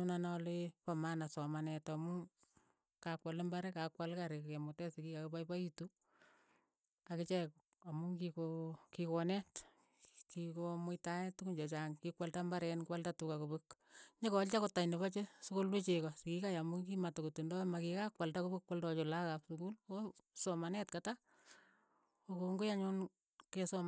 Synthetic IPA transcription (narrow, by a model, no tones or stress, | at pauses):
nunanɔlepamanasɔmanɛtamu | kakwalembaɾɛkakwalkaɾekkemotɛsikikakepajpaitu | akɪt͡ʃɛk | amuŋkikokikɔnɛt | kikomʊjtanɛtːukuɲd͡ʒɔt͡ʃaŋkikwaltambaɾɛnkwaltatukakupuk | ɲekɔlt͡ʃakotːaɲneβat͡ʃesukolwet͡ʃekɔsɪkikajamuŋkimatokotundɔmakikakwaltakubukwaltɔt͡ʃolakapsukulosɔmanɛtkata | okoŋɡojaɲon | kesɔm